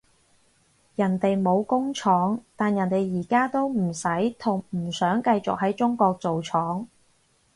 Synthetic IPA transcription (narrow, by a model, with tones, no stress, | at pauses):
jɐ˨˩nt̪e˨jmo˨˧wkʊ˥ŋt͡ʃʰɔː˨˥ŋt̪aː˨njɐ˨˩nt̪e˨jːiː˨˩kaː˥t̪o˥wm̩˨˩sɐ˨˥jt̪ʰʊ˨˩ŋm̩˨˩sœː˨˥ŋkɐ˧jt͡sʊ̰˨k̚ɦɐ˨˥jt͡sʊ˥ŋkɔː˧k̚t͡so˨wt͡sʰɔː˨˥ŋ